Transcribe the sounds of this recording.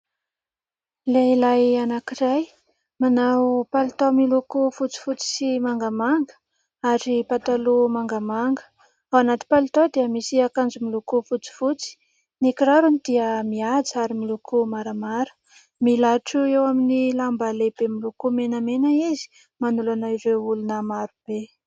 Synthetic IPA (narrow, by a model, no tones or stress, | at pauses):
leilajanakiraj | manawpalit̪omilukufut͡si̥fut͡si̥simaŋɡamaŋɡə̥ | aɾipat̪alumaŋɡamaŋɡə̥ | awanat̪i̥palit̪od̪iəmisiakand͡zumilukufut͡si̥fut͡si̥ | nikiɾaɾunid̪̥iəmiad͡zaɾimilukʰumaɾamaɾə̥ | milaʈ͡ʂuewaminilambalebemilukumenəmenaizi̥ | manulanaiɾeulunəmaɾub̥e